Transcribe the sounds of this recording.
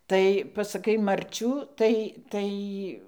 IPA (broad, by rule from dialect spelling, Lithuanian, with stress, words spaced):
ˈtɐɪ pɐsɐˈkɐɪ mɐrʲˈt͡ʃʲuː ˈtɐɪ ˈtɐɪ